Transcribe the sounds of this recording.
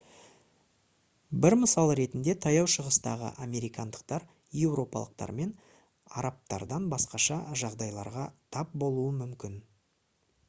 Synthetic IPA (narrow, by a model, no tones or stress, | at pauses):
bɪɾməsɑlˠɾe̞t̪ɪnd̪e̞t̪ʰɑjɑwʃəʁəst̪ɑ̰ʁə̰ʔame̞ɾijkɑnd̪əq̚t̪ɑɾ | je̞wɾo̞pɑ̰lˠəq̚t̪ɑ̰ɾme̞n | ɑ̰ɾɑp̚t̪ɑ̰ɾd̪ɑnbɑsqɑʃɑʒɑʁd̪ɑjlˠɑɾʁɑt̪ʰɑp̚bo̞lˠuəmʏmkʲɪn